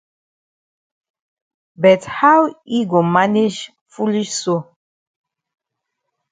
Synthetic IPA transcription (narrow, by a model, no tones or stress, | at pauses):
bɛthawiɡomaned͡ʒ | fuliʃso